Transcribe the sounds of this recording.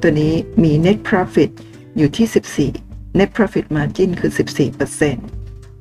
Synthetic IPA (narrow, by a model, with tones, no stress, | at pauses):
t̪u˧nːiː˦˥miː˧ne˦˥t̪̚pʰɾɔ˦˥fi˨˩t̪̚ | juː˨˩t̪ʰiː˥˩si˨˩p̚sḭː˨˩ne˦˥t̪̚pʰɾɔ˦˥fi˨˩t̪̚maː˧t͡ɕi˥˩nkʰɯː˧si˨˩p̚siː˨˩pɤ˧se˥˩n